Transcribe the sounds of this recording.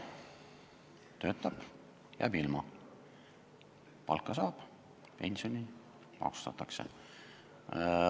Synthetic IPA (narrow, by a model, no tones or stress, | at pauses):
t̪ø̞ːt̪ːˑɑb̥ | jæ̰ːbilmɑ | pɑlkːˑɑsɑːb̥ | pe̞nʲsio̞ni | mɑ̰ksu̥t̪ɑt̪ːˑɑksḛ